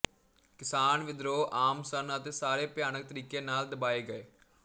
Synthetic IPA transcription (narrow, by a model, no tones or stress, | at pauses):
kɪsaːnʋɪd̪ɾoːʔaːmsənət̪eːsaːɾeːpjaːnək̚t̪əɾiːkeːnaːld̪əbaːeːɡəeː